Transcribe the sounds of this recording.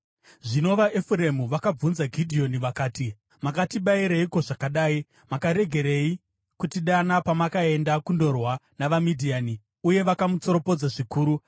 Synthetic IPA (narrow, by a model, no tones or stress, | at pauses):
ʐino̞ʋaʔefure̞muʋakab͡vunzaɡʱidʱio̞niʋakaːti | makatiɓaiɾeiko̞ʐakaɗaːi | makaɾe̞ɡʱe̞ɾe̞i | kutiɗanapamakae̞ndakundo̞rwanaʋamidʱiaːni | uje̞ʋakamut͡so̞ɾo̞po̞d͡zaʐikuːɾu